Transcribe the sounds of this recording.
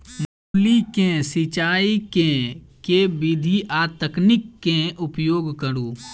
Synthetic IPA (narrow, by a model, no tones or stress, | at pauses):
mulikẽsɪt͡ʃaːikẽkebɪd̪ʱiʔat̪əknɪkːẽʔʊpjoːɡkəɾuː